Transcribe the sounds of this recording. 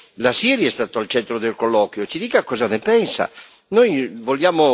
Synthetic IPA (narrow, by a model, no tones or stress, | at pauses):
lasiːɾjɛst̪aːt̪oalt͡ʃɛnt̪ɾod̪elkolːɔːkwjot͡ʃid̪iːkakːɔːzanepɛnsa̰ | nojvoljaːmo